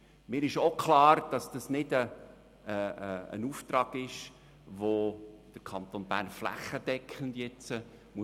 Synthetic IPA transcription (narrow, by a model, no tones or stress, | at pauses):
mɪːɾɪʃokʰlɑːɾd̥ɑsd̥ɑsnɪdə | ə̰nuːft̪ɾɑːɡ̥ɪʃ | ʋod̥əɾkʰɑnt̪onb̥æ̰ːɾnflæ̰χːəd̥ɛkʰχəndjɛt͡sə | mu